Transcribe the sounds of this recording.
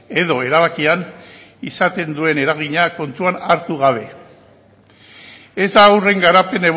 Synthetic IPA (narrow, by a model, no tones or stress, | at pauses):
e̞ðo̞e̞ɾaβ̞akian | isat̪e̞nd̪ue̞ne̞ɾaɣ̞iɲako̞nt̪uanaɾt̪uɣaβ̞e̞ | e̞zd̪aːwre̞ŋɡaɾape̞ne̞β